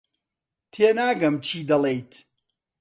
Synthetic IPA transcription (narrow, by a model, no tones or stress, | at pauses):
t̪ʰeːnaːɡɐmt͡ʃʰiːd̪ɐlˠejt̪